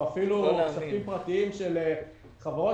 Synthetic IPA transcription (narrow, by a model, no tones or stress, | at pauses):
afilusafimpʁat̪iimʃele | χavʁo